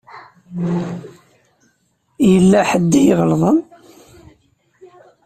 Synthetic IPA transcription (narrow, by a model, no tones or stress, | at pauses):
jəlːæħəd̪ːijəʁəlðˤən